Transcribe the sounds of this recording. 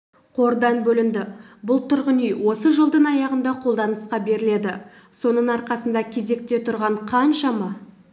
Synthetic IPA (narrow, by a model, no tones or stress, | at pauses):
qʰo̞ɾd̪ɑnbɵlɪnd̪ɪbʊlˠt̪ʰʊɾʁənijwo̞səʒəlˠd̪əɴɑjɑʁənd̪ɑqʰo̞lˠd̪ɑnəsqɑbe̞ɾɪle̞d̪ɪ | so̞nəɴɑɾqɑsənd̪ɑkʲʰe̞ze̞k̚t̪e̞t̪ʰʊɾʁɑɴqʰɑnʃɑmɑ